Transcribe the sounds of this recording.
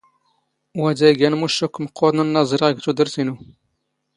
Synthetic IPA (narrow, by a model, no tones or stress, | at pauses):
wæd̪æjɡænmuʃukːməqːoɾnənːɑzˤəɾɡt̪ud̪əɾsinu